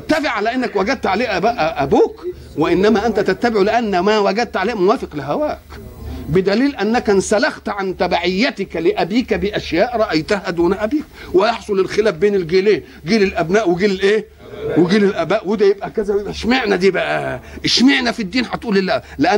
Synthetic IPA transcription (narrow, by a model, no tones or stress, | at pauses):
t̪ːæfɪʕalæʔenːækwæɡæd̪̚t̪ʕaleːhʔæbæʔæʔæbuːk | weʔɪnːæmæːʔænt̪æt̪æt̪ːæbɪʕlɪʔænːæmæwæɡæd̪̚t̪ʕaleːhmʊwæːfɪqlɪɦæwæːk | bɪd̪æliːlʔænːækænsælɑxt̪ʕant̪æbaʕɪjːæt̪ɪkælɪʔæbiːkæbiʔæʃjæːʔɾˤɑʔæjt̪ahæd̪oːnæʔæbiːkwejɑħsˤolelxelæːfbeːnelɡeːleːn | ɡiːlelʔæbnæːʔweɡiːlelʔeː | weɡiːlelʔæbæːʔwed̪æjebʔækæzænæʃmeʕnæd̪iːbæʔæʔʃmeʕnæfid̪ːiːnħat̪ʔuːllæʔleʔæ